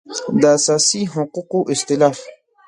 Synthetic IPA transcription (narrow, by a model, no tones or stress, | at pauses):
d̪əːsaːsiɦʊquqoʔɪxt̪ɪlaːf